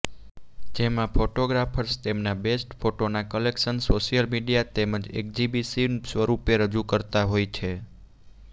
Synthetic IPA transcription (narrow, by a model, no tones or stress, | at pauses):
d͡ʒemãpʰoʈoɡɾafʰəɾst̪emnabesʈfʰoʈonakəlekʃənsoʃijəlmiɖijat̪eməd͡ʒḛk̚d͡ʒibisisʋəɾupeɾəd͡ʒukəɾt̪aɦojt͡ʃʰe